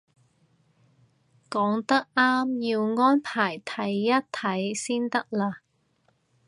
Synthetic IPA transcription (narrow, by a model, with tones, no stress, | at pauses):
kɔː˨˥ŋt̪ɐ˥k̚ʔaː˥mjiː˧wŋɔː˥npʰaː˨˩jt̪ʰɐ˨˥jːɐ˥t̚t̪ʰːɐ˨˦˥jsiː˥nt̪ɐ˥k̚laː˧